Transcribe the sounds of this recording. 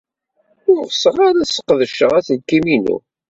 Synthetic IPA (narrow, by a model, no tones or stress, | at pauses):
ʊɾsəʁaɾæsə̥qːðəʃəʁæθəlkːiminṵ